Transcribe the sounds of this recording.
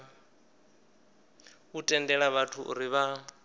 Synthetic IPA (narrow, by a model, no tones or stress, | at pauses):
utʼɛndɛɺaβatʰuʔṵɾiβa